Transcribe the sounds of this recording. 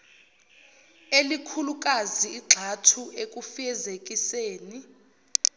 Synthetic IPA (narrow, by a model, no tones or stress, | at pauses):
elikʰuluk̬ʼaziːɡ͡ǁʱatʰuek̬ʼufɛzek̬ʼiseːni